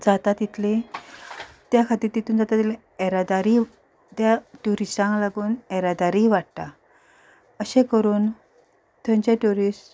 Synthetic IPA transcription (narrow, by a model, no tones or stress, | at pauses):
d͡zat̪at̪it̪ʰle | t̪jakʰat̪iɾt̪it̪uːnd͡zat̪at̪ile | ɛɾad̪aɾi | t̪jaʈuɾisʈãŋlaɡuːnɛɾad̪aɾiːʋaɽt̪a | əɕẽkəɾuːn | t̪ʰə̃nt͡ɕeʈuɾisʈ